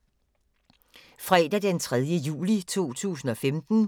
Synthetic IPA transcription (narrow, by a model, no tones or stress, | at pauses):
fʁɛd̥æd̥ent͡sʰʁɛðˠjəjṵːlit͡sʰo̝̰ːt͡sʰṵːsn̩ɒ̽femd̥n̩